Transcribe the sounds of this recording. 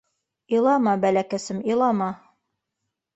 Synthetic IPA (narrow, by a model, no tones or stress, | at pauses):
ilˠɑmɑbælækæsɘmilˠɑmɑ